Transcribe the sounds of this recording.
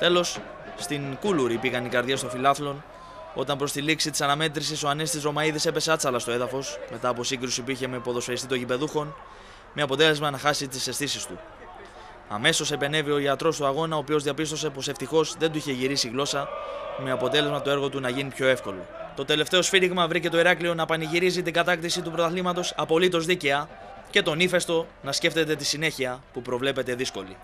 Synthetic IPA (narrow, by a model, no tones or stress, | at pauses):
t̪e̞lo̞sː | t̪iŋkuluɾipiɣɐnikɐɾðʝe̞st̪o̞filɐθlo̞n | o̞t̪ɐmpɾo̞st̪iliksit̪i̥sɐnɐme̞t̪ɾisiso̞ɐnest̪izɾo̞mɐiðise̞pe̞se̞ɐt͡sɐlɐst̪o̞eðɐfo̞sme̞t̪ɐːp̬o̞siŋɡɾusipuiçe̞mepo̞ðo̞sfeɾist̪it̪o̞ɲʝipe̞ðuxo̞n | me̞ɐpo̞t̪e̞le̞zmɐnɐxɐsit̪ise̞st̪isist̪ṵ | ɐ̰me̞so̞se̞pe̞ne̞vio̞iɐt̪ɾo̞st̪uɐɣo̞nɐoːpio̞zðiɐpist̪o̞se̞po̞se̞ft̪ixo̞zðe̞nd̪uiçe̞ʝiɾisiɣlo̞sɐme̞ɐpo̞t̪e̞lezmɐt̪oe̞ɾɣo̞t̪unɐʝinipço̞e̞fko̞lo̞̰t̪o̞t̪e̞le̞ft̪e̞o̞sfiɾiɣmɐvɾice̞t̪o̞iɾɐklio̞nɐpɐniʝiɾizit̪iŋɡɐt̪ɐkt̪isit̪upɾo̞t̪ɐθlimɐt̪o̞sɐpo̞lit̪o̞zðice̞ɐ | ce̞t̪o̞nife̞st̪o̞nɐsce̞ft̪e̞t̪e̞t̪isine̞çiɐpupɾo̞vle̞pe̞t̪e̞ðisko̞lḭ